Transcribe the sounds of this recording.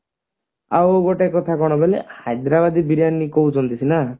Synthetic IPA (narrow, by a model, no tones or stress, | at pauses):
a̰woɡoʈekɔt̪ʰakɔɽ̃ɔbelḛhajd̪ɾabad̪ibiɾanːikout͡ʃʰɔnt̪isʰina